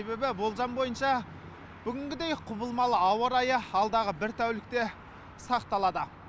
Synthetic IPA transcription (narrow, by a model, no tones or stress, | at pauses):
e̞be̞bɪbo̞lˠʒɑnbo̞jənʃɑ | b̥ʏɡʲɪŋɡʲɪd̪e̞jqʰʊbəlˠmɑlˠəɑwəɾɑjəɑlˠd̪ɑʁəbɪɾt̪ʰæwlɪk̚t̪e̞ | sɑqt̪ɑlˠɑd̪ə